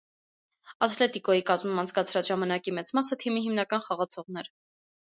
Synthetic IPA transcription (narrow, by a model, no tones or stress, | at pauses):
ɑt̪ʰlɛt̪ikɔjikɑzmumɑnt͡sʰkɑt͡sʰɾɑt͡sʒɑmɑnɑkimɛt͡smɑsət̪ʰimiɦimnɑkɑnχɑʁɑt͡sʰɔʁnɛɾ